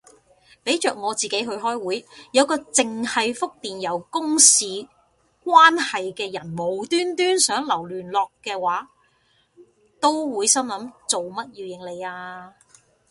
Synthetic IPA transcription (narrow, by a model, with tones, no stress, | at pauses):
pe˨˥jt͡ʃœː˨k̚ŋɔː˨˧t͡siː˨ke˨˥jɦɵ˧ɥɦɔː˥jwuː˨˥jjɐ˨˧wkɔː˧t͡sɪ˨ŋhɐ˨jfʊ˥k̚t̪iː˨njɐ˨˩wkʊ˥ŋsiː˨˧ | k̚waː˥nhɐ˨jkɛː˧jɐ˨˩nmo˨˩wt̪yː˥nt̪yː˥nsœː˨˥ŋlɐ˨˩wlyː˨˩nlɔː˨kːɛː˧waː˨˥ | t̪o˥wwuː˨˧jsɐ˥mlɐ˨˥mt͡so˨wmɐ˥t̚jiː˨˧wjɪ˨ŋle˨˧jaː˧